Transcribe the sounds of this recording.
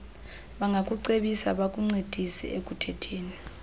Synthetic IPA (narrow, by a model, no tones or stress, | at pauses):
ɓaŋɡʱak̬ʼuǀeɓisa̰ɓak̬ʼuŋ͡ǀid̥ʱisɛ̰ʔek̬ʼutʰɛtʰeːni